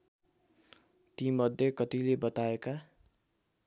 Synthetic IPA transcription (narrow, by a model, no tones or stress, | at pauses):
t̪imʌd̪ʱːjekʌt̪ilebʌt̪aeka